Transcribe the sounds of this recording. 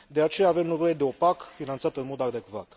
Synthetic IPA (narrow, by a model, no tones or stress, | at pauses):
d̪e̞at͡ʃe̞jaːve̞mne̞vo̞je̞d̪e̞opakfinant̪sat̪ənmo̞d̪ad̪e̞kva̰t̪